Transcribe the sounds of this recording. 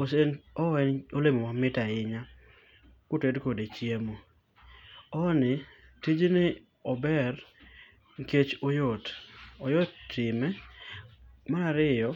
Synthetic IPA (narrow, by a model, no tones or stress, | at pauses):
osenɔɛnolemomamɪtaɪɲa | kʊtedkodet͡ʃjemo | ɔnɪ | tid͡ʒnɪ | ɔbɛɾ | ŋket͡ʃojɔtɔjɔtːɪmɛ | maaɾɪjɔ